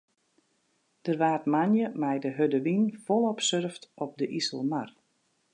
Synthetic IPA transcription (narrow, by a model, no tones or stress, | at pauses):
d̥ərʋaːrtmanjəmɛjdəɦødəʋinfɔlˠɔpsørftɔp̚dəʔisəlˠmar